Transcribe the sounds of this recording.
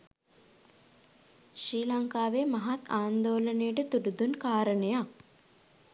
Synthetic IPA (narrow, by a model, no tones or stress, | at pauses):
ʃɾiːlaŋkaːʋemaɦat̪aːnd̪oːlənəjəʈət̪uɖud̪unkaːɾənəja